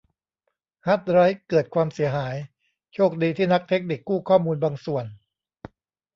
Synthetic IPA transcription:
ha˦˥t̪̚ɾa˦˥jkɤː˨˩t̪̚kʰwaː˧msi˩˦ɐɦaː˩˦j | t͡ɕʰoː˥˩k̚diː˧t̪ʰiː˥˩na˦˥k̚t̪ʰe˦˥k̚ni˨˩kːuː˥˩kʰɔː˥˩muː˧nbaː˧ŋsu˨˩ən

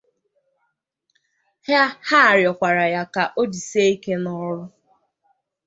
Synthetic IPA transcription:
hja˦ha˦˨ɾjɔ˨kʷa˨ɾa˨ja˦ka˨ʔo˦di˨se˦i˦ke˦nɔ˦ɾʊ˦

